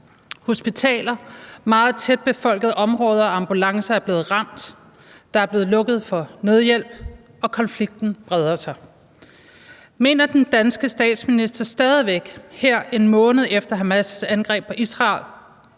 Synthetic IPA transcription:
ho̝sb̥it͡sʰɛ̰ːlɐmɑ̈ːð̞̩ˠt͡sʰed̥̚b̥e̝fɒ̽l̰ɡ̥əð̩ˠʔɒ̽mʁɔ̽ːð̞ˠɐɒ̽ɑ̈mb̥ulɑ̈ŋsɐæɐb̥le̝ːð̞̩ˠʁɑ̈m̰d̥ | d̥ɑ̈æɐb̥e̝ːð̩ˠlɔ̽ɡ̥əð̞̩ˠfɒ̽ne̝ð̞ˠjel̰b̥ | ɒ̽kʰɒ̽nfliɡ̥̚d̥n̩b̥ʁɛð̞ˠɐsɑ̈ɪ | me̝̰ːnɐd̥end̥ænsɡ̥əsd̥ɛ̰ːd̥sminisd̥ɐsd̥ɛːð̞ˠiʋeɡ̥heɐ̰e̝nmɔ̽ːnəð̞̩ˠefd̥ɐɦæmæsəsænɡ̥ʁɛ̰ːb̥ɒ̽ʔisʁɑ̈l

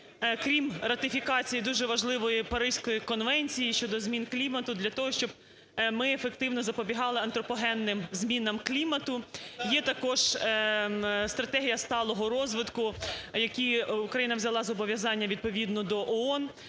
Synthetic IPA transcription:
kɾʲimrɐt̪ɪfʲikɑt͡sʲijid̪uʒɛʋɐʒlˠɪʋɔjipɐɾɪʒ̥sʲkɔjikɔnʋɛnʲt͡sʲijiʃt͡ʃɔd̪ɔzʲmʲinklʲimɐt̪ʊd̪lʲɐt̪ɔɦɔʃt͡ʃɔb̥̚ | mɪefekt̪ɪwnɔzɐpɔbʲiɦɑlˠɪɐnt̪ɾɔpɔɦɛnːɪmzʲmʲinɐmklʲimɐt̪ʊjɛt̪ɐkɔʒ | st̪ɾɐt̪ɛɦʲijɐst̪ɑlˠɔɦɔɾɔzʋɪt̪kʊjɐkʲiukɾɐjinɐʋzʲɐlˠɑzɔbɔʋʲjɐzɑnʲːɐʋʲid̪̚pɔʋʲid̪nɔd̪ɔʔɔɔn

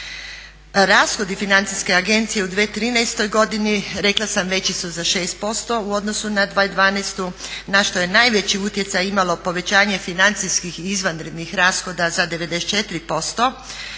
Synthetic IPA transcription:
ɾaːsxo̞d̪ifinant̪iske̞aɡe̞nt̪sije̞ud̪ʋeːt̪ɾiːnɛjst̪o̞jɡo̞d̪iniɾe̞klˠasamʋe̞t͡ɕisuzaʃe̞ːst̪̚po̞st̪o̞uo̞d̪no̞sunad̪ʋaːid̪ʋaːnɛst̪unaʃt̪o̞je̞naːjʋe̞t͡ɕiut̪je̞t̪sajimalo̞po̞ʋe̞t͡ɕaːɲe̞finant̪siskixizʋanɾed̪nixɾaːsxo̞d̪azad̪e̞ʋe̞d̪est͡ʃe̞t̪iɾipo̞st̪o̞

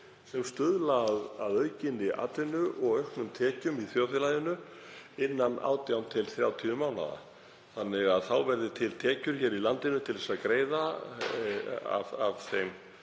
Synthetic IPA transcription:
sɛmst̪ʏðlaðaðœɥcɪnːɪʔa̰t̪lɪnʏʔɔɣœɥhknʏmt̪ʰɛːcʏmiθjoːwθɪlajðɪnʏ | ɪnːana̰ːwt̪jawnt̪ʰɪlθɾjawt̪ʰiʏmaːwna̰ða̰ | θanːɪɣaðθawvɛɾðɪt̪ʰɪlt̪ʰɛːcʏɾ̥çɛːɾilant̪ɪnʏt̪ʰɪlðɛsaðkɾeːjða | a̰vavθejm

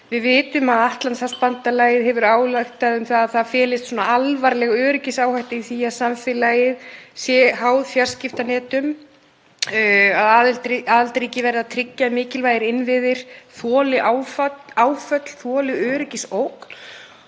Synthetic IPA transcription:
vɪðvɪːt̪ʏmaðaht̪lansaspant̪alaːjɪðɦɛvʏɾaːwlaxt̪ːaðʏmθaðːðθaðfɛːlɪst̪sɔːnaalvaɾlɛɣœːɾɪcɪsaːwhajht̪ɪiθijasaɱfɪlajɪðsjɛhaːwðfjaɾ̥scɪft̪anɛːt̪ʏm | aðaːðlt̪iaːðalt̪ɾiːcɪvɛɾðat̪ʰɾɪcːaɪmɪːcɪlvaːjɪɾɪnvɪðɪɾ̥θɔːlɪʔaːwfaːwfœt̪l̥θɔːlɪɣœːɾɪcɪsowkn̥

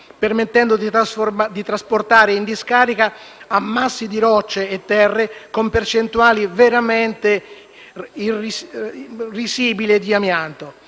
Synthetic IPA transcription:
permet̪ːɛnd̪od̪isd̪it̪ɾasport̪aːɾeind̪iskaːɾikaːmːasːid̪iɾɔt͡ʃːeːt̪ːɛrːekompert͡ʃent̪uaːliveɾament̪e | iris | risiːbilied̪iamjant̪o

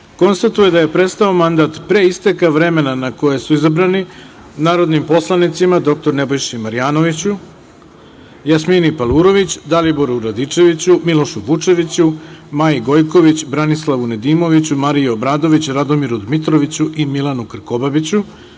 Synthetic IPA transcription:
ko̞nst̪at̪uje̞d̪aje̞pɾe̞st̪aomand̪at̪pɾe̞ist̪ekaʋɾe̞me̞nanako̞je̞suizabɾani | naːɾo̞d̪nimpo̞slˠanit̪simad̪o̞k̚t̪oɾne̞bo̞jʃimaɾijaːno̞ʋit͡ɕu | jasminipalˠuɾo̞ʋit͡ɕd̪alibo̞ɾuɾad̪it͡ʂe̞ʋit͡ɕumilo̞ʃuʋut͡ʂe̞ʋit͡ɕumajiɡo̞jko̞ʋit͡ɕbɾanislˠaʋune̞d̪iːmo̞ʋit͡ɕumaɾijuobɾaːd̪o̞ʋit͡ɕɾad̪o̞miɾud̪mit̪ɾo̞ʋit͡ɕuʔimilˠanukr̩ko̞babit͡ɕu

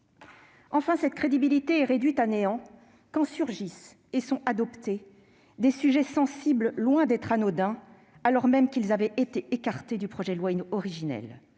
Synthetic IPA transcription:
ɑ̃fɛ̃sɛt̪kχed̪ibilit̪eɛʁed̪ɥit̪aneɑ̃ | kɑ̃syʁʒis | esɔ̃ʔad̪ɔpt̪e | d̪esyʒɛsɑ̃sibllwɛ̃d̪ɛt̪χanod̪ɛ̃ | alɔʁmɛmkʲilzavɛet̪eekaʁt̪ed̪ypχɔʒɛlwaɔʁiʒinɛ̰l

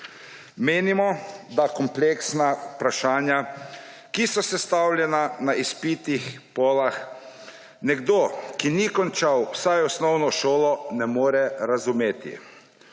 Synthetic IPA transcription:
meːnimɔd̪akɔmpleksnaupɾaʃaːnja | kisɔsɛst̪awlʲjɛnanaispit̪ixpoːlax | nɛɡd̪oːkinikɔnt͡ʃawwsajɔsnɔwnɔʃoːlɔnɛmoːɾɛɾazumeːt̪ḭ

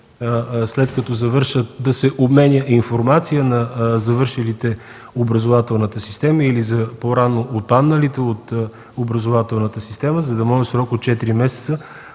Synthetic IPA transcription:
slɛt̪kɐt̪ɔzɐvɤɾʃət̪d̪ɐsɛʔobmɛnʲəʔinfoɾmat̪sijənɐzɐvɤɾʃilit̪ɛ | obɾəzovat̪ɛlˠnət̪əsi̥st̪ɛməilizɐpoɾanoʔot̪̚panːəlit̪ɛot̪ | obɾɐzovat̪ɛlˠnət̪əsi̥st̪ɛməzɐd̪ɐmɔʒəsɾɔkot̪̚t͡ʃɛt̪iɾimɛsɛt̪sə

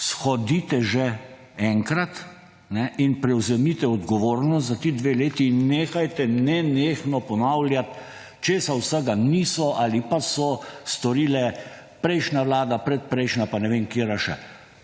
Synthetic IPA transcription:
sxɔd̪iːt̪ɛʒɛ | ɛŋkɾat̪ | nɛʔinpɾɛwzɛmit̪ɛɔd̪ɡɔʋoːɾnɔst̪zat̪id̪ʋeleːt̪inːeːxajt̪ɛnɛneːxnɔpɔnawljat̪ | t͡ʃeːsawsəɡaniːsɔʔalipasɔst̪ɔɾiːlɛ | pɾɛjʃnaʋlaːd̪apɾɛt̪̚pɾɛjʃnapanɛʋeŋkeɾaʃɛ

